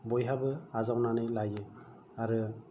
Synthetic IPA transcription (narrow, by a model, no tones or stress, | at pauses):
bɔjɦabɯazawnanɯjlajɯ | aɾɯ